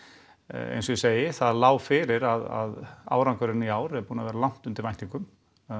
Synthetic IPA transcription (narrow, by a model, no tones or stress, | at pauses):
ḛjnsɔjɪseːjɪθaðlaːwfɪɾɪɾaða̰ða̰ːwɾaŋkœɾɪniaːwɾɛɾpuːnavɛːɾalawn̥t̪ʏnt̪ɪɾvajnt̪iŋkʏm